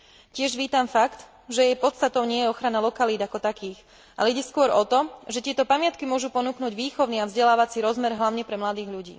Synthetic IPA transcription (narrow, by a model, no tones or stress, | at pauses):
cɪɛʒʋiːt̪amfakt̪ | ʒɛjɛjpɔt̪st̪at̪ɔʊɲɪɛjɛɔxɾanalɔkaliːd̪akɔt̪akiːx | ʔa̰lɛiɟɛskʊɔɾɔt̪ɔʒɛt̪ɪɛt̪ɔpamɪat̪kimʊɔʒupɔnuːknuːɟʋiːxɔʊniːavzɟɛlaːʋat͡siɾɔzmɛɾɦlaʊɲɛpɾɛmlad̪iːɣʎuɟḭː